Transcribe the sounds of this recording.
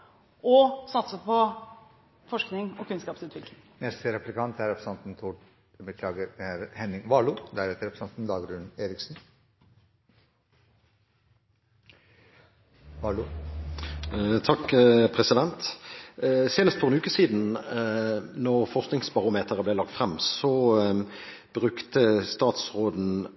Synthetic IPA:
ɔsɑt̪səpʰɔ | fɔʂknɪŋɔkʉnskɑːpsʉːt̪ʰʋɪklɪŋnɛst̪əɾɛplɪkɑnt̪æɾɛpʰɾəsɑnt̪n̩t̪ʰuːɖ | bəkʰlɑːɡəɾæɾhɛnɪŋʋɑːɭud̪æɾɛt̪əɾɛpɾsɑnt̪n̩d̪ɑːɡɾʉneːɾɪksn̩ | ʋɑlʊ | t̪ʰɑkːpʰʁɛsɪd̪ɛnt̪ | seːnəst̪fɔɛnʉːkəsiːd̪n̩ | nɔʁfɔʁsknɪŋsbɑʁʊmeːt̪ʰəʁəblɛːlɑk̚t̪fʁɛmsɔ | b̥ʁʉkt̪əst̪ɑːt̪sʁoːd̪n̩

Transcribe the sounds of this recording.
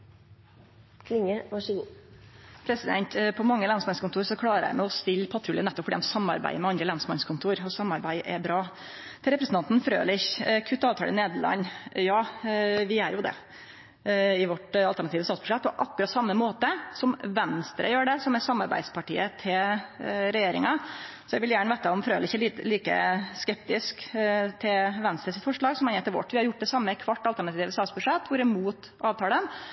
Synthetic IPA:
kʰlɪŋəʋɑʂəɡuː | pʰɾɛsɪd̪ɛ̰nt̪pʰɔmɑŋːəlɑnsmɑnskʊnt̪ʰuːɾsɔkʰlɑːɾəæ̰ɪmɛɔst̪ɪlːpʰɑt̪ʰɾʉːlənɛt̪ːɔpfɔɖiːɛmsɑmːɑ̰ɾbæ̰ɪmɛɑnd̪ɾəlɑnsmɑnskʰʊnt̪ʰuːɾɔsɑmːɑɾbæɪʔɛbɾɑː | t̪ʰɪɾɛpɾəsn̩ʰɑnt̪n̩fɾø̰ːlɪçkʰʉt̪ːɑːʋt̪ʰɑ̰ːlə̰neːd̪əɭɑ̰nːjɑːʋɪæɾjʊd̪ɛ̰ | ɪʋɔʈɑlæɳɑt̪iːʋəst̪ɑːt̪sb̥ʉ̥ʂɛt̪̚ːpʰɔʔɑkːʉɾɑt̪sɑmːəmoːt̪əsɔmʋɛnst̪ɾə̰jøːɖɛsɔmɛsɑmːɑɾbæ̰ɪd̪spɑʈḭːət̪ʰɪ | ɾɛjeːɾɪ̰ŋɑsɔjæɡʋɪljæːɳəʋeːt̪əɔmfɾøːlɪçːəliːkə̰skɛp̚t̪ɪskt̪ʰɪʋɛnst̪ɾəsɪt̪fɔʂɭɑːɡsɔmɑnɛːt̪ʰɪlʋɔ̰ʈːʋɪhɑɾjʊʈːd̪ɛsɑmːəɪkʰʋɑʈːɑlt̪æɳɑt̪iːʋəst̪ɑːt̪sbʉʂɛt̪ːʋʊɾɪmuːt̪ | ɑːʋt̪ʰɑːlən

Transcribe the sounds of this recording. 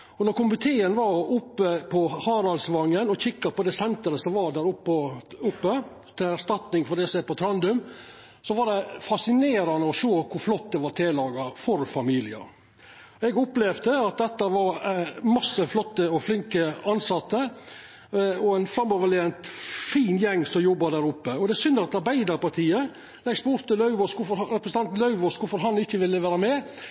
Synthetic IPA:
ɔnɔɾkʊmʉt̪ʰeːənʋɑɾʊpːəpʰɔhɑːɾɑlsʋɑŋːənɔçɪkːɑpɔd̪ɛsɛnt̪əɾəsɔmʋɑɖ̪æːɾʊpːəʊpːə | t̪ʰɪlæʂt̪ɑt̪nɪŋfɔɖ̪ɛsɛːpɔt̪ʰɾɑnd̪ʉm | sɔʋɑɖɛfɑsɪneːɾɑnəɔʂoːkʰʊɾflɔt̪̚d̪ɛʋɑɾt̪ʰeːlɑːɡɑfɔɾfɑmiːlɪɑ̰ | ɛɡʊplɛʋd̪əɑt̪̚d̪ɛt̪ːɑʋɑɾmɑsːəflɔt̪ːəɔflɪŋkəɑnsɑt̪ːə | ɔæɪnfɾɑmːɔʋəɭɛɛnt̪fiːnjɛŋːsɔjɔbːɑd̪æːɾʊpːəɔd̪ɛsʏnd̪ɑt̪ɑɾbæɪd̪ɑɾpɑɾt̪ʰiːə | lɛɡsbʊɾt̪ːɪlɑʉʋɔsʊfɔɾɾɛpɾəsəɑnt̪nlɑʉʋɔskʊɾfɔɾɦɑnɪçːəʋɪlːəʋæːɾəmɛ

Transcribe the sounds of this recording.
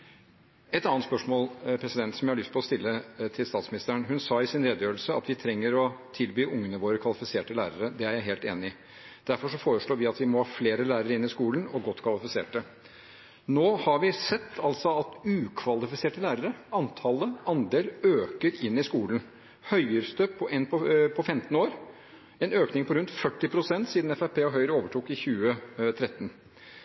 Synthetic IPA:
ɛt̪ɑnːnt̪spœʂmoːlpʰɾɛsɪd̪ɛnt̪sɔmjæɪhɑɭʏst̪̚pʰɔlɔst̪ɪlːət̪ʰɪlst̪ɑːt̪smɪnɪst̪əəɳɦʉnsɑːɪsɪnɾeːd̪əjøːəlsəɑ̰t̪ʋɪt̪ʰɾɛŋːəɾɔt̪ʰɪlbyːʊŋːənəʋoːɾəkʰʋɑlɪfɪseːʈəlæːɾəɾəd̪ɛæɾjæɪɦeːlt̪ḛːnɪɪ | d̪̥æɾfɔʂɔfoːɾəʂɭoːʋɪɑt̪ʋɪmɔhɑːfleːɾəlæːɾəɾəɪnːɪskuːlnɔɡɔt̪ːkʰʋɑlɪfɪsḛːʈə | noːhɑɾʋɪsɛt̪ʰːɑlt̪sɔɑt̪ʉːkʰʋɑlɪfɪseːʈəlæːɾəɾəɑnt̪ʰɑləɑnd̪eːløːkəɾɪnːɪskuːlən̩ | hœʏəɾst̪øpʰːɔʔɛnpʰɔpʰɔfɛmt̪ən̩oːɾ | ɛnøːknɪŋpɔɾʉnt̪fœʈːɪpʰɾʊsɛnt̪siːd̪n̩ɛfæpʰeːɔɦœʏəɾəoːʋəʈʰuːkɪçʉːət̪ʰɾɛt̪ːən

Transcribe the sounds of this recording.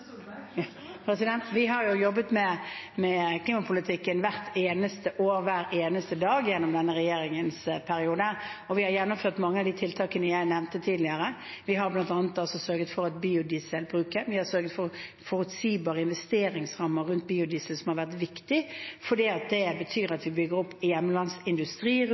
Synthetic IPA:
pʰɾɛsɪd̪ɛnt̪ʋɪɦɑɾjʊjɔbːət̪mɛmɛkʰliːmɑpʰʊlɪt̪ʰɪkːənʋæɾt̪ʰeːnəst̪əʔoːɾʋæːɾeːnəst̪əd̪ɑːɡjɛnːɔmd̪ɛnːəɾɛjeːɾɪŋənspʰæɾɪuːd̪əɔʋɪhɑɾjɛnːʊmføːʁt̪mɑŋːəɑʋd̪iːt̪ʰɪlt̪ʰɑːkənəjæɪnɛʋnt̪ət̪ʰiːd̪lɪəɾə | ʋɪɦɑɾblɑnt̪ɑːnət̪ɑlsɔsœɾɡət̪fɔɾɑt̪̚biːʊd̪isəlbɾʉːkəɾʋɪhɑsœɾɡət̪fɔɾ | fɔɾʉt̪siːbɑːʁəɪnʋɛst̪eːɾɪŋsʁɑmːəɾʉnt̪̚biːʊd̪isəlsɔmhɑɾʋæʁt̪ʋɪkt̪ɪfɔɖiːɑt̪̚d̪ɛbət̪ʰyːɾɑt̪ʋɪbʏɡəɾɔpːjɛmːəlɑnsɪnd̪ʉst̪ɾiː

